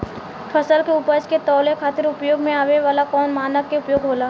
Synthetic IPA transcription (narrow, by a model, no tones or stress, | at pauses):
pʰəsəlkeʊpəd͡ʒket̪ɔːlekʰaːt̪ɪɾʊpjoːɡmẽaːʋeʋaːlakɔːnmaːnəkːeʊpjoːɡɦoːlaː